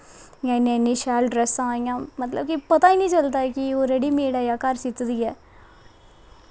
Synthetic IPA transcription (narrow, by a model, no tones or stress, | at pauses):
janːnːĩʃaːlɖɾesãːŋãmɐt̪lə̰b̚kipɐt̪ainĩt͡ʃɐlt̪aːɛkioɾeɽimeːɽajakaːɾsit̪ːd̪ijɛː